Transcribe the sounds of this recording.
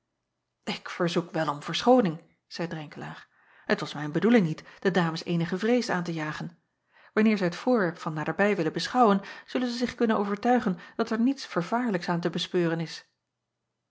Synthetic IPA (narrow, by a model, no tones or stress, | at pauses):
ɪkfəɹzukʋɛlˠɔmv̥əɹsχownɪŋ | z̥ɛjdrɛŋkəla̰ːɹ | ətʋɑsmɛjnbədulɪŋnitd̥ədaːməsejnəχəvrejsəa̰ːntəjaːχən | ʋɑnɪːɹzɛjɦətfʊːɹʋɛɹpfɑnːaːdəɹbɛjʋɪləbəsχɑwənz̥ɵlənzəzɪχkɵnənʔowvəɹtœɥχənd̥ɑtɛɹnitsfəɹvaːɹləksaːntəbəspøːrənɪs